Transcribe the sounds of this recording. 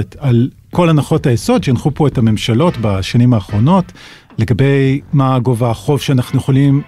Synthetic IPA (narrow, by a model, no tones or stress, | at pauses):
tal | ko̞lanaχo̞tajeso̞dʃeanχupo̞etame̞mʃalo̞tbaʃanimaːχʁo̞no̞t | le̞ɡabe̞jmaɡovaχo̞vʃeanaχnujeχolim